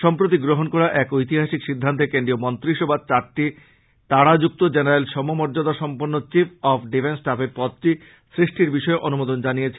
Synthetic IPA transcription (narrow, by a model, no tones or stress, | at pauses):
ʃɔmpɾot̪̬iɡɾoɦonkɔɾaʔɛkojt̪iɦaʃikʃid̪ʱːant̪̬ekenɖɾiomɔnt̪ɾiʃobad̪̚t͡ɕaɾʈi | t̪aɽad͡ʑuk̚t̪od͡ʑenaɾelʃɔmomɔɾd͡ʑod̪aʃɔmponːot͡ɕipʰɔfɖifensʈapeɾpɔt̪̚ʈi | sɾiʃʈiɾbiʃɔeʔonumod̪ond͡ʑanijet͡ɕʰi